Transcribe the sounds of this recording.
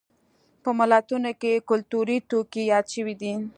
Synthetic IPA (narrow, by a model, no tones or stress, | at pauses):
pəmalɑt̪unokekʊlt̪uɾit̪okijɑd̪ʃəwid̪i